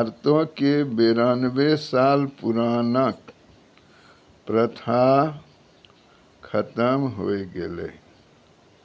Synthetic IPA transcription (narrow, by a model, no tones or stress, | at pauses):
ɾt̪õkebeːɾaːnbesaːlpʊɾaːnək | pɾət̪ʰa | kʰət̪əmɦoːeɡelḛː